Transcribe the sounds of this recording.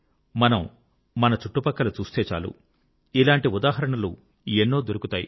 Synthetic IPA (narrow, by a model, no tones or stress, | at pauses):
mɐnɐm | mɐnɐt͡ʃuʈːupɐkːɐlut͡ʃuːst̪eːt͡ʃa̰ːlṵ | ilaːɳʈiud̪aːɦɐɾɐɳɐlṵ | enːo̞ːd̪oɾukut̪aːjḭ